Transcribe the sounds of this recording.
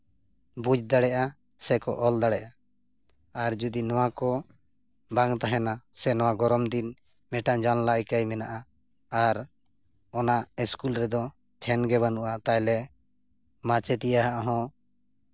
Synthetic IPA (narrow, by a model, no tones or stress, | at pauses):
bud͡ʒd̪aɽɛʔa | sɛkɔ̰ʔɔld̪aɽɛʔaː | ɾd͡ʒud̪inɔwakɔ | baŋt̪aɦɛnasɛnɔwaɡɔɾɔmd̪in | mɛʈad͡ʒanlajkajmɛnaʔaː | ɾ | ɔnaʔɛskulɾɛd̪ɔ | pʰɛnɡɛβanuʔat̪ajlɛ | mat͡ʃɛt̪ijaɦaʔɦɔ̃